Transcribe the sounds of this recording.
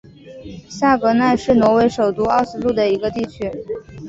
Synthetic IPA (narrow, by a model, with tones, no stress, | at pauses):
sa˥˩kɤ˧˥na˥˧ɪʂɻ̩˥˩nwɔ˧˥we˧˥ɪʂo˨˩ʊt̪u˧˥ɑ˥˩ʊsɹ̩˧˥lu˥˩d̪ə˩i˧˥ɡə˧t̪i˥˩t͡ɕʰy˧˥